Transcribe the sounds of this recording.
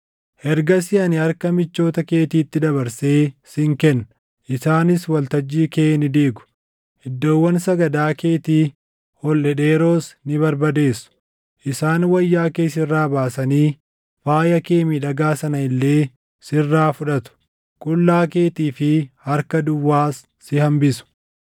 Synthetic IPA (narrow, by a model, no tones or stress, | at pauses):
hɛɾɡɐs̬ɪɐnɪɐɾkɐmɪt͡ʃːo̞ːt̪ɐke̞ːt̪iːt̪ːɪd̪ɐbɐɾse̞ːsɪŋkɛnːɐ | ʔɪsaːnɪswɐlt̪ɐd͡ʒːiːkeːnɪd̪iːɡʊ̥ | hɛd̪ːo̞ːwːɐnsɐɡɐd̪aːke̞ːt̪iː | hɔlːɛᶑeːɾoːsnɪbɐɾbɐd̪e̞ːsʊ̥ | ʔɪsaːnwɐjːaːke̞ːs̬ɪrːaːbaːsɐniː | faːjɐkeːmiːᶑɐɡaːsɐnɐɪlːe̞ː | sɪrːaːfʊᶑɐt̪ʊ̥ | kʼʊlːaːke̞ːt̪iːfɪhɐɾkɐd̪ʊwːaːsːɪhɐmbɪsʊ̥